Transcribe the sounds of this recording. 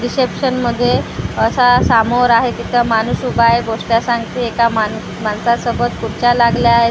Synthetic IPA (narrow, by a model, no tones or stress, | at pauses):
ɾisepʂənməd̪ʱːjeəsasamoɾaɦet̪it̪ʰamanusubʱaɦjɡosljasãŋɡt̪iekaman | mansasəɡət̪kuɾt͡ɕalaɡljaaɦe